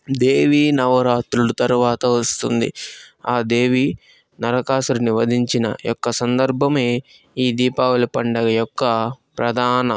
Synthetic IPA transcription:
d̪eːʋiːnɐʋɐɾaːt̪ɾulut̪ɐɾuʋaːt̪ɐʋɐst̪und̪ḭaːd̪e̞ːʋi | nɐɾɐkaːsuɾuniʋɐd̪ʱiɲt͡ʃinɐ̰jɔkːɐsɐnd̪ɐɾbʱɐme̞ː | iːd̪iːpaːʋɐlupɐɳɖɐɡɐjɔkːɐpɾɐd̪ʱaːnɐ

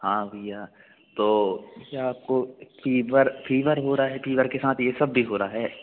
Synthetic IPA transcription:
hãːʋijaː | t̪oːjeaːp̚kopiːʋəɾpʰiːʋəɾɦoːɾaɦɛpʰiːʋəɾkesaːt̪ʰjesɐbːʱiɦoːɾaɦɛː

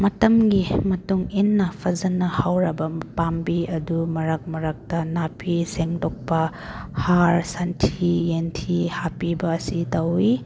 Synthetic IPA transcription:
mɐtɐmɡimɐtuŋinːɐpʰɐzɐnɐhawɾɐbɐpambiɐdumɐɾɐk̚mɐɾɐk̚tɐnapʰiseŋdok̚pɐ | haɾsantʰijentʰihapibɐːsitɐwi

